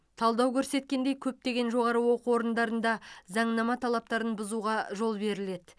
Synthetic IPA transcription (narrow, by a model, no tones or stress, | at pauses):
t̪ʰɑlˠd̪ɑwkʲʰɵɾse̞t̪̚kʲe̞nd̪e̞jkʲʰɵp̚t̪e̞ɡʲe̞nʒo̞ʁɑɾəwo̞quwo̞ɾənd̪ɑɾənd̪ɑzɑɴnɑmɑt̪ʰɑlˠɑp̚t̪ɑɾənbʊzuʁɑʒo̞lˠbe̞ɾɪle̞d̪ɪ